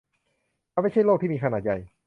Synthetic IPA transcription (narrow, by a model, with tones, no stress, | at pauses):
ʔa˧ma˥˩jt͡ɕʰa˥˩jloː˥˩k̪̚ʰiː˥˧˩iː˧ka˧naː˨˩t̪̚ja˨˧˩j